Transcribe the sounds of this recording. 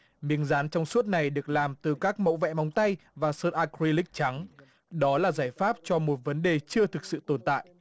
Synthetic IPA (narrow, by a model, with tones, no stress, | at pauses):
mi˨˦əŋzaː˨˦nt͡ɕɔ˧wŋ͡msu˦˥ət̚na˨˩jɗɨ˨˩ək̚laː˨˩mt̪ɨ˨˩kaː˦˥k̚mə̰˧˥wvɛ̰˧˥ma˨˦wŋ͡mt̪a˧jvaː˨˩səː˧t̚ʔaː˧kɾi˧lï˦˥k̟̚t͡ɕa˨˦ŋ | ɗɔ˨˦laː˨˩zaː˧˩jfaː˦˥p̚t͡ɕɔ˧mo˨˩t̚və˨˦nɗe˨˩t͡ɕɨ˧ət̪ʰɨ˨˩k̚sɨ̰˧˨t̪o˧˩nt̪a̰ː˧˨jʔ